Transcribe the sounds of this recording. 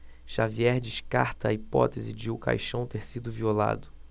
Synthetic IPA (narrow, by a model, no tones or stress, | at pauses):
ʃaviɛɾd͡ʒɪʃkaɾt̪ɐɐipɔt̪ezɪd͡ʒɪuka̰jʃɐ̃w̃t̪eɾsid̪ʊviola̰d̪ʊ